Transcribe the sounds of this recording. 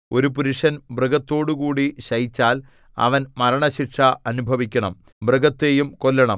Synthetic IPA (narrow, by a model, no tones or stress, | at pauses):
o̞ɾupuɾuʂɐnbrɨɡɐt̪ːo̞ːɽukuːɽiɕɐjit͡ɕːaːl | ɐ̰ʋɐnmɐɾɐɳɐɕiʈʂɐɐnubʱɐʋikʲːɐɳɐm | brɨɡɐt̪ːeːjumko̞lːɐɳɐm